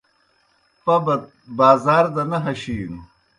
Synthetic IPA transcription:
pɐbɐ | baːzaːɾd̪ɐnɐɦɐɕiːnu

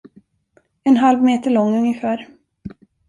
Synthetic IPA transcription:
ɛnɦalvmeːt̪əɭɔŋːɵŋjəfæːɾ

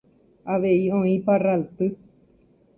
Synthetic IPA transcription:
aʋeiõĩparalt̪ɨ

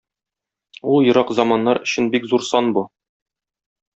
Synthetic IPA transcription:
ulˠjɤ̆ɾɑqzɒmɑnːɑɾɵ̆ɕɘnbikzuɾsɒnbu

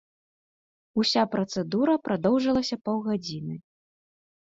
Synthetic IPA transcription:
usʲapɾɐt̪sɛd̪uɾɐpɾad̪ɔwʐɐlˠɐsʲɐpɔwɣad͡zʲinɨ

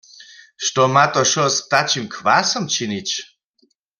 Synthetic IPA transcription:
ʃtɔmat̪ɔʃɔst̪at͡ʃimkʰwasɔmt͡ʃʰinit͡ɕ

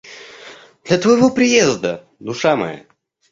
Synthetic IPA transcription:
d̪lʲɐt̪vəjɪvopɾʲɪjezd̪ə | d̪ʊʂamɐ̰ja̰

